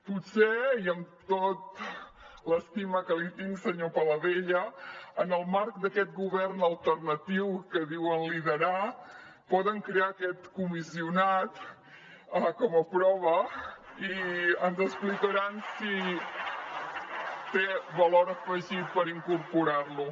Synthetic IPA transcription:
pusɛiəmt̪ot̪ | ləst̪iməkəlit̪iŋsəɲopələðeʎəənəlˠmaɾk̚d̪əkɛt̪̚ɡuβɛrnəlˠt̪ərnət̪iwkəðiwənliðəɾa | pɔðəŋkɾeaːkɛt̪kumisiunat̪ | əkɔməpɾɔβ̞əiənzəsplikəɾansi | t̪eβəloɾəfəʒipəɾiŋkuɾpuɾarlu

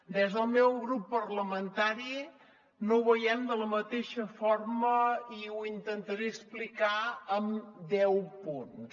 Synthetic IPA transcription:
d̪ezðəlˠmɛwɣɾupːərləmənt̪aɾi | noβəjɛmd̪ələmət̪eʃəforməiwint̪ənt̪əɾeəsplikaəmd̪ɛwpuns

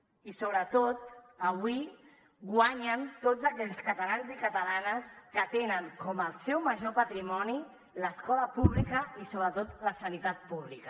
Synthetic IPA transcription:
isoβ̞ɾət̪ot̪ | əβwi | ɡwaɲənt̪od͡zzəkɛʎskət̪alanzikət̪alanəskət̪enəŋkɔməlˠsɛwməʒopat̪ɾimɔni | ləskɔləpuβlikəisoβɾət̪ot̪ləsənit̪at̪̚puβ̞likə

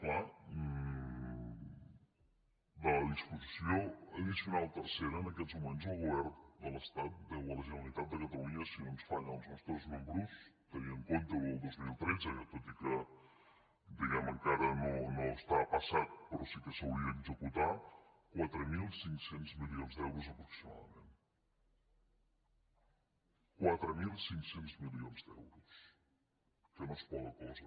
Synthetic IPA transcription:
kla | ləðispuzisioəðisunalˠt̪ərseɾəːnəkɛzmumenzəlˠɣuβɛɾnd̪ələst̪at̪̚d̪əwələʒənəlit̪at̪̚d̪əkət̪əluɲəsinonsfanəlˠznɔst̪ɾəzmumbɾust̪əniəŋkont̪əwəlˠd̪ozmilˠt̪ɾɛd͡zət̪ot̪ikə | d̪əɣɛməŋkaɾənonoəst̪apəsat̪̚pəɾɔsikəsəuliəːɡzəkut̪a | kwat̪ɾəmilˠsiŋksenzmilionzd̪ɛwɾuzəpɾuksima̰ðə̰men | kwat̪ɾəmilˠsiŋksenzmilionzd̪ɛ̰wɾus | kənospɔðəkɔz

